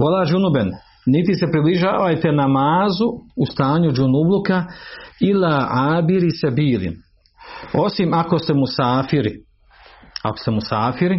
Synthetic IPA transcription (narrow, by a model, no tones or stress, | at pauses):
ʋolad͡ʒunubenː | it̪ise̞pɾibliʒaːʋajt̪e̞namaːzuust̪aːɲud͡ʒunublukailaʕaːbiɾisebiːlḭn | o̞simako̞st̪emusaːfiɾi | a̰kost̪e̞musaːfiɾi